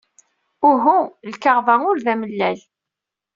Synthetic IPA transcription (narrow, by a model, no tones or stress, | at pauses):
ʊɦulkaʁvæŋʊɾvæməlːæl